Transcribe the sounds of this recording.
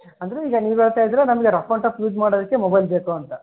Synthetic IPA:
ɐnd̪ɐɾeiːɡɐniːʋɦeːɭt̪aːjd̪ɾenɐmɐɡeɾɐpʰɐɳʈɐpluːd͡ʒmaːɽod̪ɐkːemobɐjlbeːkuɐnt̪ɐ

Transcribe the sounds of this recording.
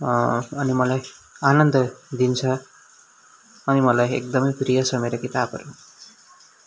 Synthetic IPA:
ʌnimʌlajanʌnd̪ʌd̪int͡sʰʌ | ʌnimʌlajḛk̚d̪ʌmʌjprijʌsʌmeɾʌkit̪abʱʌ̰ɾu

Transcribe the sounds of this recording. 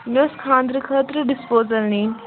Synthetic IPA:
noskʰãːnd̪ɾəkʰəːt̪ɾəɖɪspoːzəlniːn

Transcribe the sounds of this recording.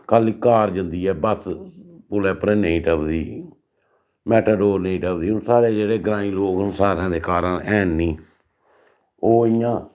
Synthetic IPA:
kəliːkaːɾd͡ʒənd̪iːɛːbəspʊlɛːpɾeːneːʈəʋd̪iː | mɛːʈəɖoːɾneːʈəbd̪iːʊnsaːɾeːd͡ʒeːɽeːɡɾãːĩːloːknsaːɾãːd̪eːkaːɾənɛːnːiː | oːɪjãː

